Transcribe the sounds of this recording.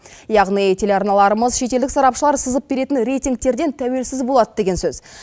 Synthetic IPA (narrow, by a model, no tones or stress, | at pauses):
jɑʁnijt̪ʲʰe̞leɑɾnɑlˠɑɾəməzʃe̞t̪e̞ld̪ɪksɑɾɑpʃəlˠɑɾsəzəp̚be̞ɾe̞t̪ɪnɾejt̪iŋk̚t̪e̞ɾd̪e̞nt̪ʰæwe̞lsɪzbo̞lˠɑd̪əd̪e̞ɡʲe̞nsɵz̥